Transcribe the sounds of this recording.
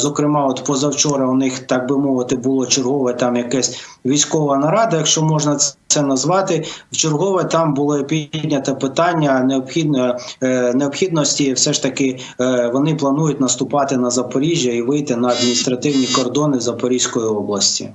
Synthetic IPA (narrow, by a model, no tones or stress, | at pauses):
zɔkɾɪmɑɔt̪pɔzɐwt͡ʃɔɾɐʊnɪxt̪ɑɡ̚bɪmɔʋɪt̪ɪbʊlˠɔt͡ʃerɦɔʋɛt̪ɑmjɐkɛsʲʋʲijsʲkɔʋɐnɐɾɑd̪ɐjɐkʃt͡ʃɔmɔʒnɐsɛnɐzʋɑt̪ɪwt͡ʃerɦɔʋɛt̪ɑmbʊlˠɪpʲid̪ʲnʲɐt̪ɐpɪt̪ɑnʲːɐneɔpxʲid̪n | neɔpxʲid̪̚nɔsʲtʲiwsɛʃt̪ɐkɪ | ʋɔnɪplˠɐnujʊtʲnɐst̪ʊpɑt̪ɪnɐzɐpɔɾʲiʒʲjɐiʋɪjt̪ɪnɐɐd̪mʲinʲist̪ɾɐt̪ɪwnʲikɔrd̪ɔnɪwzɐpɔɾʲisʲkɔjiɔblˠɐsʲtʲḭ